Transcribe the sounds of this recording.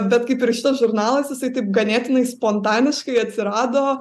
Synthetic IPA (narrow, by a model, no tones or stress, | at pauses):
bʲɛt̪kɐɪpɪɾʃʲɪt̪ɐsʒʊɾnɑːlˠɐsjɪsɐɪt̪ɐɪp̚ɡɐnʲeːt̪ʲɪnɐɪspoːnt̪ɑːnʲɪʃkɐɪɐt̪ʲsʲɪɾɑːd̪oː